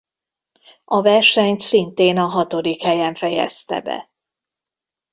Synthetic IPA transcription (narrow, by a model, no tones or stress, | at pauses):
ɒvɛrʃɛɲt̪sint̪eːnɒɦɒt̪o̞d̪ikhɛjɛɱfɛjɛ̰st̪ɛ̰bɛ̰